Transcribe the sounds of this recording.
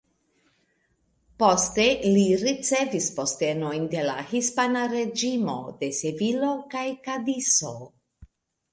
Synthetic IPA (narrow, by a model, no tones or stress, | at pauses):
po̞ste̞liɾit͡se̞vispo̞ste̞no̞jnde̞la̰hispanaɾe̞d͡ʒimo̞̰de̞sevilo̞kajkadiso̞